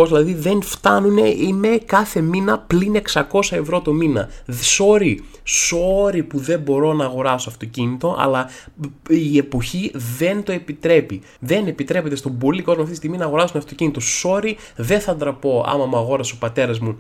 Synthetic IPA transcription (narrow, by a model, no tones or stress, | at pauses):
ozilɐðiðe̞nft̪ɐnune̞ime̞kɐθe̞minɐpline̞ksɐko̞sɐe̞vɾo̞t̪ominɐ̰so̞ɾi | so̞ɾipuðe̞bo̞ɾo̞nɐːɣo̞ɾɐsoɐft̪o̞cinit̪o̞ʔɐ̰lɐ | ie̞po̞çiðe̞nt̪o̞e̞pit̪ɾe̞pi | ðe̞nepit̪ɾe̞pe̞t̪e̞st̪o̞bo̞liko̞zmɐft̪ist̪iɣminɐːɣo̞ɾɐsumeɐft̪ocinit̪o̞so̞ɾiðe̞nθɐnd̪ɾɐpo̞ɐ̰mɐmɐɣo̞ɾɐseo̞pɐt̪e̞ɾɐzmu